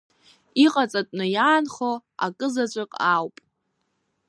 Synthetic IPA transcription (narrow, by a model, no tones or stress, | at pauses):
iqʼat͡sʼatʼnɨjaːnχoa̰kʼɨzat͡ʃʷʼakʼawpʼ